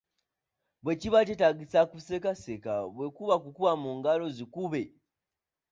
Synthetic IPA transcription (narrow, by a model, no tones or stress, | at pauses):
βwet͡ʃiβat͡ʃetaɡisakusekasekaβwe̞kuβakukuβamuːŋɡalo̞zikuβe